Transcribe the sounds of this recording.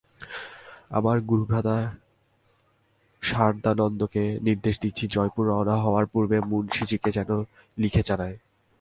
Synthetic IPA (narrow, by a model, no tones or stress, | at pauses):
a̰maɾɡuɾubɾad̪a | ʃaɾd̪anɔnd̪okeniɾd̪eʃd̪it̪ːɕʰid͡ʑɔjpuɾaonaɦɔoaɾpuɾbemunʃit͡ɕiked͡ʑɛno | likʰet͡ɕanae